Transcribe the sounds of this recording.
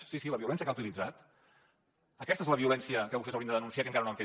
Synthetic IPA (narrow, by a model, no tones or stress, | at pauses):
sisiləβiulɛnsiəkaut̪ilid͡zat̪ | əkɛst̪əezləβiulɛnsiəkəβust̪ɛawɾind̪əðənunsiakəŋkaɾənoaɱfe